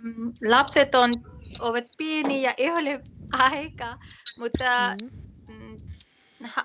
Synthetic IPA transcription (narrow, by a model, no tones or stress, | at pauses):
lapset̪onoʋɐt̪̚pienijaʔeɦoleaɦekamut̪a | ha